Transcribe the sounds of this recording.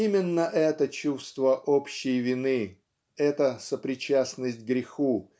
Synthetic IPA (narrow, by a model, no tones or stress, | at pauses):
imʲɪnːəʔɛt̪ət͡ɕust̪vəʔopɕːɪjvʲɪnɨ | ɛt̪əsəpɾʲɪt͡ɕasnəsʲtʲɡɾʲɪxu